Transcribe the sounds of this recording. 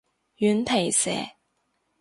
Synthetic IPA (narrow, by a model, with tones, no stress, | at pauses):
jy˨˥nt̪ʰe˨˩jsɛ̰ː˨˩˦